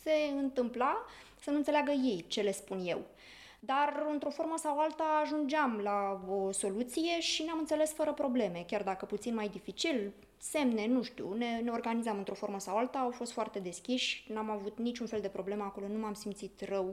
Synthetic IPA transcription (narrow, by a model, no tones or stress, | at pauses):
se̞ɨnt̪ɨmpla | sənuɨnt̪selaɡəje̞jt͡ʃe̞le̞spunje̞̰w | d̪arɨnt̪ɾo̞fo̞ɾməsawalt̪aːʒund͡ʒamlaoso̞lut̪sijeʃineamɨnt̪se̞le̞sfəɾəpɾo̞ble̞me̞kʲard̪akəput̪sinmajd̪ifit͡ʃil | se̞mne̞nuʃt̪ṵne̞ne̞o̞rɡanizamɨnt̪ɾo̞fo̞ɾməsawalt̪aːwfost̪foart̪e̞d̪e̞skʲiʃʲnamavut̪nit͡ʃunfe̞ld̪e̞pɾo̞ble̞meako̞lo̞numamsimt̪sit̪rəw